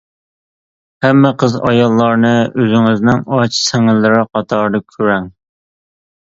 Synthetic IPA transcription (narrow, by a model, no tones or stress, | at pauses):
hɛmːɛqʰəzɑ̰jɑlˠːɑɾnɨʔøzɪŋɪznɪŋɑt͡ʃʰsɛŋɪlːɪɾɪqʰɑt̪ʰɑɾd̪ɨkʲʰøɾɛŋ